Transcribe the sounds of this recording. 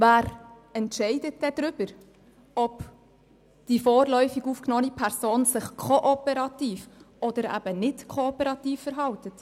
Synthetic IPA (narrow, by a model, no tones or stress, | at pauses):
væːɾ | ɛntʃɛɪdət̚d̥ɛd̥ɾʏb̥əɾ | ɔp | d̥ifoːɾlœʏfɪɡuːfknɔːnipʰɛɾsoːnsɪχkʰoʔɔpɛɾɑtiːf | ɔd̥̪əɾæ̰bənɪtkʰoɔpɛɾɑtiːfːəɾɦɑwtət